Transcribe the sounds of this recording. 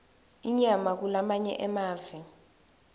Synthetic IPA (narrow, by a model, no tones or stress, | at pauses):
iɲamak̬ulamaɲɛ̰ʔɛmaːvɛ